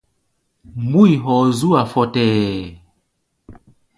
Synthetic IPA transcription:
mbu˦i˨ɦɔ˨zu˦a˨fɔ˨tɛː˨

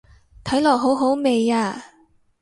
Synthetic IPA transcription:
t̪ʰɐ˨˥jlɔː˨k̚ɦo˨˥wɦo˨˥wme˨˧jaː˧

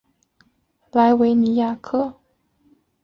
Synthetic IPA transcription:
la˧˥ɪwe˧˥ɪni˧˥ja˥˩kʰɤ˥˩

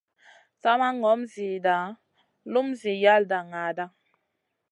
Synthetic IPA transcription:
t͡sa˦ma˦ŋɔ˨˦mzi˨da˨ | lu˦mzi˨ja˦lda˨ŋa˨da˦

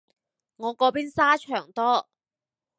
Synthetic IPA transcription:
ŋɔː˨˧kɔː˨˧˥piː˥nsaː˥t͡ʃʰœː˨˩ŋt̪ɔː˥

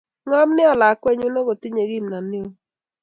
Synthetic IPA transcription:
ŋɔ˦mnɪ˦ɔ˨la˨˦kwɛ˦ɲu˦nɔ˦ɡo˨t̪ɪ˦ɲe˨ɡi˦˨mna˨nɪ˦o˨

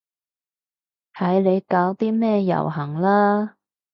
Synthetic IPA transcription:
h̪ʰɐ˨˥jle˨˧jkaː˨˧˥wt̪iː˥mɛː˥jɐ̰˨˩wɦɐ˨˩ŋlaː˥

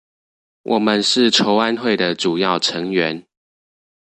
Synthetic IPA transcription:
wʔɔ˨˩mə˨˦nʂɻ̩˥˨ʈ͡ʂʰo˧˦ʊa˦nxwe˥˨ɪd̪ə˩ʈ͡ʂu˨˩jɑ˥˨ʊʈ͡ʂʰə˧˦ŋɥɛ˨˧˦n

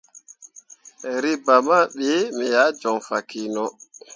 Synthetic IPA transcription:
ɾi˦ba˨ma˦ɓe˦mi˨ja˨˦d͡ʒɔ˨ŋfa˨ki˨nɔ˦

